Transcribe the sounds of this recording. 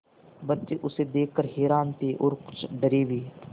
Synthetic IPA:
bətːt͡ʃeːʔʊseːd̪eːkːəɾɦeːɾaːnt̪eːʔoːɾkʊ̥t͡ʃʰɖəɾeːʋiː

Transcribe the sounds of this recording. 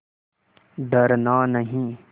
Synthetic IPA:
d̪əɾnaːnəɦĩː

